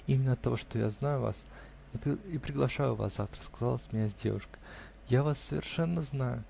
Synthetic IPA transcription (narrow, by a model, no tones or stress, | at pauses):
imʲɪnːəɐt̪ːɐvo̞ʂt̪oja̰znajʊva̰s | pipɾʲɪɡlˠɐʂajʊva̰sza̰ft̪ɾə̥skɐzalˠəsʲmʲɪnʲazʲdʲḛvʊʂkə̥ | javasːəvʲɪ̰rʂɛnːəznajʊ